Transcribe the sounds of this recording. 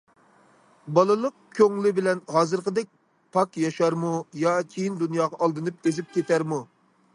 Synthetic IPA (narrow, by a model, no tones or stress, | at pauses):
bɑlˠɨlˠəq̚kʲʰøŋlɪbɪlɛnɦɑːzɨɾqəd̪ɛk̚ʲ | pʰɑkjɑʃɑɾmujɑt͡ʃʲʰejind̪unjɑːʁɑʔɑlˠd̪ɨnɨp̚ezɪp̚kʲʰet̪æɾmu